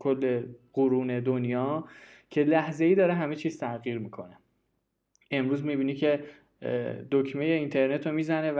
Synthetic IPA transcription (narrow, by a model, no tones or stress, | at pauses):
kʰolːe̞ɢuɾuːne̞d̪onjɒː | cʰe̞læhze̞iːd̪ɒːɾeɦæme̞t͡ʃʰiːz̥t̪ʰæɣiːɾmiːkʰo̞ne | e̞mɾuːzmibiːnicʰe̞ | d̪okʰmejeint̪ʰe̞ɾne̞t̪ʰomiːzænev